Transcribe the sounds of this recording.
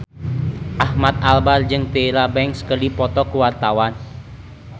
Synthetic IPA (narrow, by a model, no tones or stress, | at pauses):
ʔahmat̪̚albard͡ʒɨŋt̪eɾabɛŋkskərdipɔt̪ɔkuwart̪awan